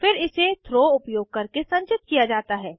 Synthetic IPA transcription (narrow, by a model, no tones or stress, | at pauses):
fɪɾɪset̪ʰɾoːʊpjoːɡ̚kɐɾkesɐ̃ɲt͡ʃɪt̪̚kijad͡ʒaːt̪aɦɛː